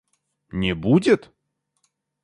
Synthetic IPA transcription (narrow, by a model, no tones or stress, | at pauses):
nʲɪbudʲɪt̪